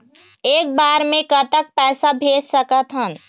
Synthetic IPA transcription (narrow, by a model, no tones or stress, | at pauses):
eːk̚baːɾmẽkət̪ək̚pɛːsabʱeːd͡ʒsəkət̪ɦən